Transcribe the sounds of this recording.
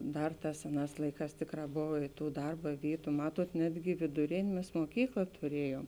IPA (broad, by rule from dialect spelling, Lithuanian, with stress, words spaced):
ˈdɐr ˈtɑːs ˈsʲæːˌnɑːs ˈlˠɐɪˌkɑːs ˈtʲeːkˌrɑː ˈboːʋɐ ɪ ˈtuː ˈdɐrbɐ ˈʋʲiːtʊ ˈmɑːtuɔt ˈnʲæːdʲɡʲɪ ʋʲeːdʊˈrʲeːnʲeː ˈmʲɛs moːˈkʲiːklˠɐ tʊˈrʲiɛjuɔm